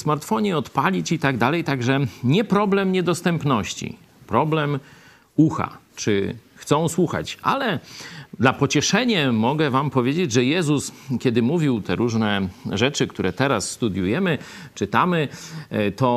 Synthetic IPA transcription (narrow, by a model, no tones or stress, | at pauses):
smaɾt̪fɔɲɛɔt̪palʲit͡ɕit̪aɡd̪alɛjt̪aɡʐɛɲɛpɾɔblɛmɲɛd̪ɔst̪ɛmpnɔɕt͡ɕḭ | pɾɔblɛm | uxa̰ | t͡ʂɘxt̪sɔ̃w̃swuxa̰t͡ɕʔa̰lɛd̪lapɔt͡ɕɛʂɛɲɛmɔɡɛvampɔvʲjed͡ʑed͡ʑʐɛjɛzuskʲɛd̪ɘmuvʲiwt̪ʰɛɾuʐnɛʐɛt͡ʂɘkt̪uɾɛt̪ɛɾasːt̪ud̪ʲjujɛmɘt͡ʂɘt̪amɘt̪ɔ